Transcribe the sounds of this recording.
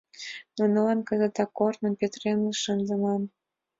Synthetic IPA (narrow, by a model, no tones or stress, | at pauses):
nonəlɑnkə̆zə̆t̪ɑkːornə̆mpʲet̪renləʃənzə̆nɑm